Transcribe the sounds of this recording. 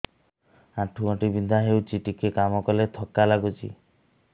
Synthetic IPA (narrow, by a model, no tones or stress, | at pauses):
ãʈʰuɔʈibind̪ʱaɦewt͡ʃiʈikekamɔkɔlet̪ʰɔkalaɡut͡ʃʰḭ